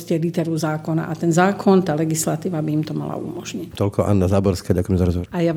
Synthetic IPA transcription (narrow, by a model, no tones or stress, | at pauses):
scɛlit̪ɛɾuzaːkɔna̰ʔat̪ɛnzaːkʰɔnt̪aːlɛɡislat̪iːʋabiimt̪ɔma̰la̰ṵmɔʒɲict̪ɔlkɔʔa̰nːazaːbɔɾskaːɟakuʊjɛmɛzaɾɔzɦɔʋɔɾaja